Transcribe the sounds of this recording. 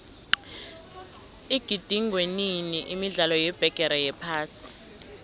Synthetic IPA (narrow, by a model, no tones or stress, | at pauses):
iɡ̥ʱid̥ʱiŋʱweniniʔimiɮalɔjɛb̥ʱɛɡ̥ʱɛɾajɛpʰaːsi̥